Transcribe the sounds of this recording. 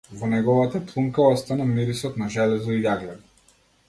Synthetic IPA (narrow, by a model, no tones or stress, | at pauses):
vɔnɛɡɔvat̪aplˠuŋkaɔst̪anamiɾisɔt̪naʒɛlɛzɔijaɡlɛd̪ɔ